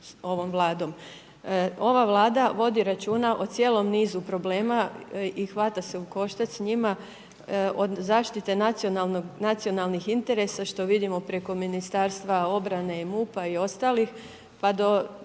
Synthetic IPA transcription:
so̞ʋo̞mʋlˠaːd̪o̞m | o̞ʋaʋlˠaːd̪aʋo̞d̪iɾat͡ʃuːnaʔo̞t̪sje̞ːlˠo̞mniːzupɾo̞ble̞ːmaixʋat̪ase̞uko̞ʃt̪at̪sɲima | ʔo̞d̪zaːʃt̪it̪e̞naononat̪sijo̞nalˠnixint̪e̞ɾe̞saʃt̪o̞ʋid̪imo̞pɾe̞ko̞minist̪aːɾst̪ʋao̞bɾane̞imuːpaio̞st̪aːlix | pad̪o̞

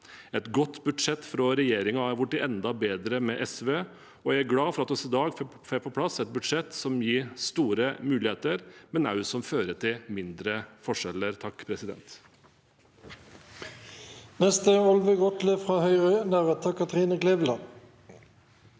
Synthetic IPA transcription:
ɛt̪ɡɔt̪ːbʉd̪ʂɛt̪ːfɾɑɾɛjeːɾɪŋɑɑɾʋʊʈːɪʔɛnd̪ɑbeːd̪ɾəmɛʔɛsʋeː | ɔjææɾɡlɑːfɔɾɑt̪ɔsɪd̪ɑːɡfɛpʰɔpʰlɑsɛt̪̚bʉd̪ʂɛt̪sɔmjiːst̪uːɾəmʉːlɪheːt̪əɾmɛnɑ̰ʉsɔmføːɾəʈ̪ʰɪmɪnd̪ɾəfɔʂɛləɾt̪ʰɑkːpʰɾɛsɪd̪ɛ̰nt̪ | nɛst̪əɔlʋəɡɔt̪ləfʁɑːhœʏʁœnæʁət̪ʰɑkʰːɑt̪ʁiːnəkleːʋlɑ

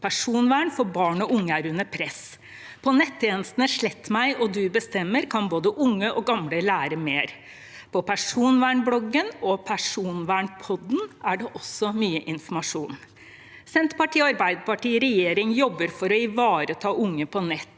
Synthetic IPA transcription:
pʰæʂuːnʋæːɳfɔɾbɑːɳɔʔʊŋːəæɾʉnːəpʰɾɛs | pʰɔnɛt̪ʰːjeːnəst̪n̩əʂɭɛt̪ːmæɪʔɔd̪ʉbəst̪ɛmːəɾkʰɑnboːd̪əʔʊŋːəʔɔɡɑmləlæːɾəmeːɾ | pʰɔpʰæʂuːnʋæːɳblɔɡənɔpʰæʂuːnʋæːɳpʰɔd̪n̩æɖɛʔɔsɔmyːəʔɪnfɔmɑʂuːn | sɛnt̪pɑʈʰiːɔɑɾbæɪd̪əpɑʈiːɾɛjeːɾɪŋjɔbːəɾfɔɾɔɪʋɑːɾət̪ʰɑːʔʊŋːəpʰɔnɛt̪ː

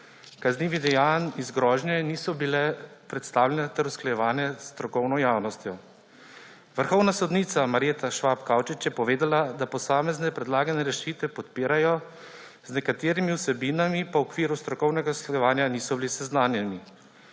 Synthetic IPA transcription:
kazniːʋid̪ɛjanizɡɾɔːʒnjɛniːsɔbilɛpɾɛt̪st̪aːwljɛnɛt̪ɛɾusklajɛʋaːnjɛst̪ɾɔkɔwnɔjaːwnɔst̪jɔ | ʋəɾxɔwnasɔd̪niːt̪samaɾet̪aʃʋapkawt͡ʃit͡ʃjɛpɔʋeːd̪alad̪apɔsaːmɛznɛpɾɛd̪laːɡanɛɾɛʃiːt̪ʋɛpɔt̪piːɾajɔ | znɛkat̪eːɾimiwsɛbinamipɔɔkʋiːɾust̪ɾɔkɔwnɛɡasklajɛʋaːnjaniːsɔbilisɛznaːnjɛni

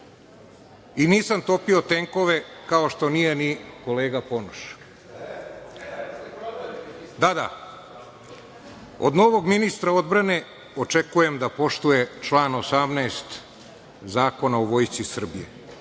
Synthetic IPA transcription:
iniːsamt̪o̞pio̞t̪eŋko̞ʋe̞kaoʃt̪o̞nije̞niko̞leːɡapo̞noʃ | d̪ad̪a̰ | o̰d̪no̞ʋo̞ɡminist̪ɾao̞d̪bɾane̞ | ot͡ʂekuje̞md̪apo̞ʃt̪uje̞t͡ʃlˠaːnosamnaːst̪ | zaːko̞naoʋo̞ːjt̪sisr̩bijḛ

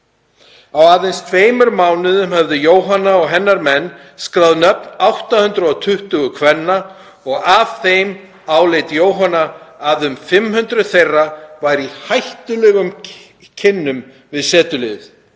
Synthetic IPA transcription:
awaːðejnst̪ʰveːjmʏɾmaːwnɪðʏmhɛvðʏjoːwɦanːaɔɣɦɛnːaɾmɛnː | skɾawðnœpnawht̪ahʏnt̪ɾʏɔt̪ʰʏht̪ʏɣʏkʰvɛnːa | ɔɣav̥θejm | aːwlejt̪joːwɦanːaːðʏmfɪmhʏnt̪ɾʏθejrːavajɾihajht̪ʏlɛɣʏm | cʰɪnːʏm | vɪðsɛːt̪ʏlɪ̰θ

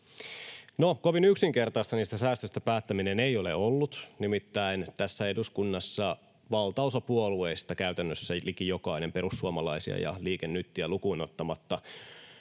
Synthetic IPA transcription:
nokoʋinyksiŋke̞rt̪ɑist̪ɑniːst̪æsæːst̪øst̪æpæːt̪ːæminenejole̞̰olːut̪nimit̪ːæint̪æsːæe̞duskunːɑsːɑ | ʋɑlt̪ɑosɑpuolueist̪ɑkæyt̪ænːøsːælikijo̞kɑine̞mpe̞ɾusːuomɑlɑisiɑ̰jɑ̰liːkenːyt̪ːiælukuino̞t̪ːɑmɑt̪ːɑ

